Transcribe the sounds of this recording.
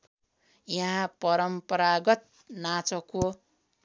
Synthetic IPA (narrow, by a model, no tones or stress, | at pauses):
jʌɦãpʌɾʌmpʌɾaɡʌt̪̚ | nat͡sʌko